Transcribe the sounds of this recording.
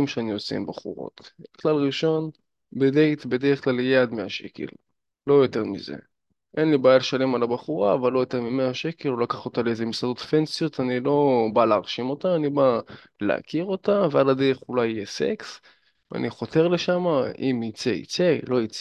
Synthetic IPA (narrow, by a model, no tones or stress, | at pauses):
imʃeaniot͡sḛḭmbaχṵʁo̞̰t̪klalʁiʃo̞n | bed̪ejt̪be̞d̪eʁeχklaljad̪meaʃḛkʰḛlː | o̞jo̞t̪e̞ʁmḭzḛ | ʔenlibaːjalʃalemalabaχuʁaːvalːo̞jo̞t̪e̞ʁmimeaʃeke̞lolakaχot̪aleezemisado̞t̪fensijo̞t̪anilo̞baleaʁʃimo̞t̪aːniba | lḛa̰kiʁo̞t̪aveadad̪eʁeχulajijesḛks | vea̰niχo̞t̪e̞ʁleʃamaimit͡seḭt͡se̞lo̞it͡s